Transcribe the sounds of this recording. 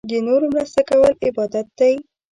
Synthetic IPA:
d̪ənoɾomɾast̪akawəlɪbɑd̪at̪̚d̪aj

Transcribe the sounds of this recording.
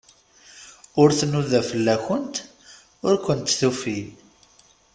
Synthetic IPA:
ʊɾθnuðæfəlːæçənt̪ | ʊɾkʷənt̪θufil

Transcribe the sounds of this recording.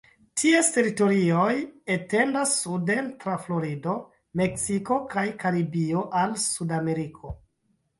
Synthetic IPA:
tʰieste̞ɾito̞ɾio̞jete̞ndasːude̞ntɾaflo̞ɾido̞ | me̞ksiko̞kajkaɾibio̞ʔalsudame̞ɾikʰo̞

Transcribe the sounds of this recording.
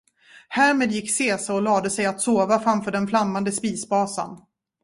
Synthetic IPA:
hæːɾmeːd̪jɪkːseːsaɔlɑːd̪əsɛjat̪soːvafɾamfœːɖɛnflamːand̪əspiːsbɑːsa̰n

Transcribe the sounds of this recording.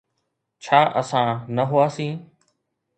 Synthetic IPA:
t͡ʃʰaːʔəsãːnəɦʊaːsĩː

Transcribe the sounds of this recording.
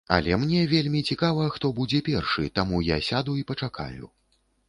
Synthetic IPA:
ɐ̰lʲɛmnʲɛvʲelʲmʲit͡sʲikavɐxt̪ɔbud͡zʲɛpʲɛrʂɨt̪amuja̰sʲad̪uipɐt͡ʂaka̰jṵ

